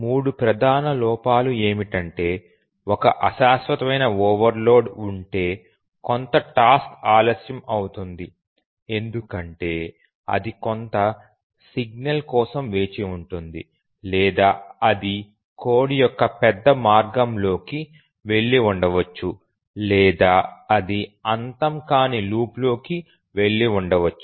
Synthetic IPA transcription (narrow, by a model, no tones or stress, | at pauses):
muːɽupɾɐd̪ʱaːnɐlɔːpaːlue̞ːmiʈɐɳʈe̞ː | ɔkɐʔɐʃaːsʋɐt̪ɐmɐjnɐoːʋɐɾlo̞ːɖuɳʈe̞ː | kont̪ɐʈaːskaːlɐsjɐmɐwut̪und̪i | e̞nd̪ukɐɳʈe̞ː | ɐ̰d̪ikont̪ɐ | siɡ̚nɐlkɔːsɐmʋe̞ːt͡ʃiuɳʈund̪ḭ | lɛːd̪aːɐd̪i | ko̞ːɽijɔkːɐpɛd̪ːɐmaːɾɡɐmlo̞ːki | ʋe̞ɭːiuɳɖɐʋɐt͡ʃːu | lɛːd̪aːɐd̪iɐnt̪ɐmkaːniluːplo̞ːki | ʋe̞ɭːiuɳɖɐʋɐt͡ʃːu